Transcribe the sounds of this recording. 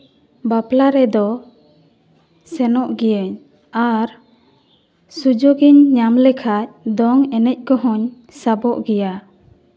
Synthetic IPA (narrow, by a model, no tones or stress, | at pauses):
baplaɾɛd̪ɔ | sɛnɔʔɡɛjəɲ | aɾ | sud͡ʒoɡiɲːamlɛkʰac̚d̪ɔŋɛnɛc̚ˀkɔɦɔɲ | sabɔʔɡɛja